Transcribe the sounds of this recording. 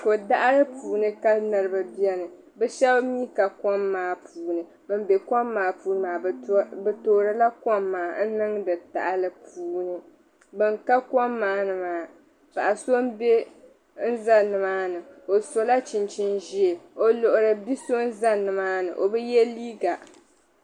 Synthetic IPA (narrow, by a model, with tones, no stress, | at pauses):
ko˨da˦ʔa˦lɨ˦pʰuː˨nɨ˦ka˦lnɨ˨ɾɨ˦ba˨bi˦ɛ˦nɨ˨ | bɛ˦ʃɛ˦bmi˦ka˨kɔ˦mːaː˨˦pʰuː˨nɨ˨ | bɨ˦m˦be˨kɔ˦mːaː˨puː˦nɨ˦maː˨bɨ˨toː˨ɾɨ˨la˦kɔ˦mːaː˨n̩˦nɨ˦ŋdɨ˨ta̰˨ʔa˨lɨ˦pʰuː˦nɨ˨ | bɨ˨ŋka˦kɔ˦mːaː˨˦nɨ˨maː˨˦ | pa˨ʔa˨so˦m˦be˦ | n̩˦za˦nɨ˨maː˦nɨ˨o˨so˨la˦t͡ʃi˨nt͡ʃɪ˦nʒi˦e˨o˨lo˨ʔʊ˨ɾɨ˨bi˦so˦n˦za˦nɨ˨maː˦nɨ̰˨ʔo˨bɛ˦jɛ˦liː˦ɡa˨